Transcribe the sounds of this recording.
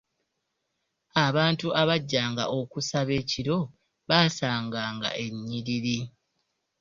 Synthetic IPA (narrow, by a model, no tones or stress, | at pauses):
aβaːntuʔaβaɟːaːŋɡa̰ʔo̞kusaβe̞ːciɾo̞ | βaːsaːŋɡaːŋɡa̰ʔe̞ɲːiɾiɾi